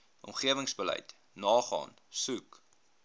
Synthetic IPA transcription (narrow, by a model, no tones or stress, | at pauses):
ʔɔ̰mχiəvəŋsbəlɛ̰jt | nɑːχɑ̰ːn | sʉk